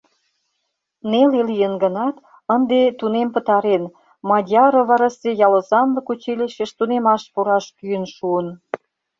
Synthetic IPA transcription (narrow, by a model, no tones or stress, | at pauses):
nelelijənɡə̆nɑt̪ | ənd̪et̪unempət̪ɑɾen | mɑd̪ʲɑɾoβɑɾɑsejɑlə̆zɑnlə̆kut͡ɕelʲeʃeʃt̪unemɑʃpuɾɑʃkyənʃuən